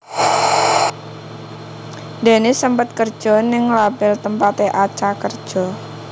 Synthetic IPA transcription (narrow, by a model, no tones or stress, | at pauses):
d̪e̤nesəmpət̪̚kərd̥ʒ̥ɔ̤nɪŋlabɪlt̪əmpat̪eʔat͡ʃakərd̥ʒ̥ɔ̤